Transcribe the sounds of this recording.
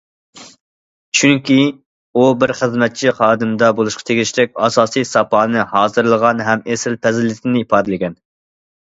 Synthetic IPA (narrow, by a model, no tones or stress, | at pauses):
t͡ʃʰyŋkʲi | ubɪɾχəzmɛt̪̚t͡ʃʰiχɑːd̪ɨmd̪ɑbolˠuʃqʰɑ̥t̪ʰeɡʲiʃɾɛk̚ʲɑːsɑːsijsɑpɑːnɨhɑːzɨɾlˠəʁɑnɦɛmesɪlpʰɛzɪlɪt̪ʰɪnɪipɑːd̪ɪlɪɡʲɛn